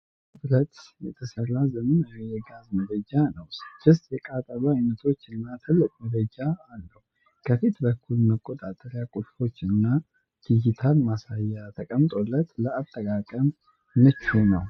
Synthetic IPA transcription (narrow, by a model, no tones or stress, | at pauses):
bɾət̪jɛt̪ʰəsərazəmɨnjjɛɡazmədəd͡ʒanəwst͡ʃʰɨst̪ʼjɛkʼat̪ʼəβajnət̪ʰo̞t͡ʃːɨnːat̪ʰɨlːɨkʼmədəd͡ʒaalːəhu | kʰəfit̪bəkʰːulməkʼːot̪ʼat̪ʼəɾjakʼuɾfo̞t͡ʃːɨnːa | ɡ̥ijit̪ʰalmasajːat̪ʰəkʼəmt̪ʼo̞lːət̪ləat̪ʼːəkʼakʼəmː | ɨt͡ʃːunəw